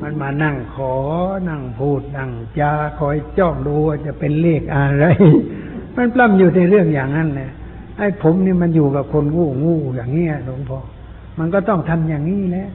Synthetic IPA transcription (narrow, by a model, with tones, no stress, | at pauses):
ma˧˥˨nmaː˧na˧˩ŋkʰɔː˨˦na˧˩ŋpʰuː˧˩t̪̚na˧˩ŋt͡ɕaː˧kʰɔː˨˦jt͡ɕɔː˧˩ŋduː˧waː˧˩t͡ɕa˧˨pe˧nleː˧˩k̚ʔa˧ɾa˧˥˨j | ma˧˥˨npla˧˩˨mjuː˨˩t̪a˧˩ɾɯ˥˩əŋjaː˨˩ŋːa˧˥nlɛ˧˨ | ha˧˩jpʰo˨˦mniː˧˩ma˧˥njuː˨˩ka˨˩p̚kʰo˧nŋuː˧˩ŋuː˧˩jaː˨˩ŋni˧˥˨ɐ˨lo˧˦ŋpʰɔː˧ | ma˧˨nkɔː˧˩t̪ɔ˧˩ŋt̪ʰa˧mjaː˨˩ŋːiː˧˥˩lɛː˧˥˨ʔ